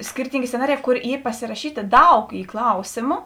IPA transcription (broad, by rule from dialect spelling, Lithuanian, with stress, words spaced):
ˈsʲkʲɪrʲtʲiːŋʲɡʲeː sʲt͡sʲɛˈnɑːrʲɪˌjɛː ˈkoːr ˈiː pɐsʲɪrɐˈʃʲiːtʲeː ˈdɐʊk ˈiː ˈklˠɐʊsʲeːmʊ